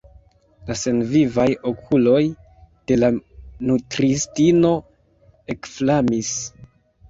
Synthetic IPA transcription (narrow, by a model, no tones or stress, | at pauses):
lase̞nvivajo̞kʰulo̞j | d̥e̞lanutɾistino̞ | e̞kflamis